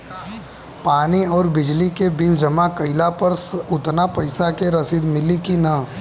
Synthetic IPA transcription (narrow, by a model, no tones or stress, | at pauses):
paːniɔːɾbɪd͡ʒlikebɪld͡ʒɐmakɐɪlapɐɾsʊt̪napɐɪsakeɾɐsid̪mɪlikinɐ